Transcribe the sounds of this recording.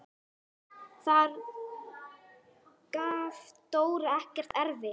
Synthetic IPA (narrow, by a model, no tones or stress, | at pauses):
θaɾ | kaːvt̪oːwɾaɛhcɛr̥t̪ɛɾvɪ